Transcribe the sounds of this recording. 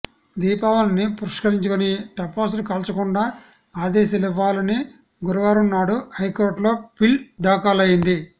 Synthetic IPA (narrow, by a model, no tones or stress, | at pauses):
d̪iːpaːʋɐnɐnːipuɾɐʂkɐɾiɲt͡ʃɐkɐniʈɐpoːs̬lukɐːlt͡ʃɐkuɳɖaː | aːd̪ɛːsɐliʋːaːlɐni | ɡuɾuʋaːɾunːaːɽuhɐjkoːɾʈlo̞ːpild̪aːkaːlɐjind̪i